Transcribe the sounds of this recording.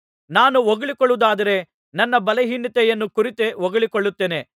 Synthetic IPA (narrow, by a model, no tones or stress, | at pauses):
naːnuʋɔɡɐɭikɔɭuud̪aːd̪ɐɾe̞ | nɐnːɐbɐleɦinːit̪ɛjɐnːukuɾit̪eʋɔɡɐɭikɔɭːut̪ːeːne̞